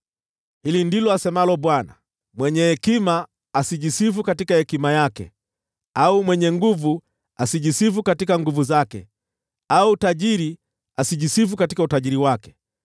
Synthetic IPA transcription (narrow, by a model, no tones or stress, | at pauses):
hilindilɔasɛmalɔɓwana̰ | mwɛɲɛhɛkimaː | siʄisifukatikahɛkimajakɛ̰ | aumwɛɲɛŋɡuvu | asiʄisifukatikaŋɡuvuzakɛ̰ | autaʄiɾi | asiʄisifukatikautaʄiɾiwakɛ̥